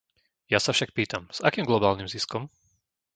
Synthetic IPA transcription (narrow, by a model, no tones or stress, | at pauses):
jasafʃak̚piːt̪amz̥akiːmɡlɔbaːlnimziskɔm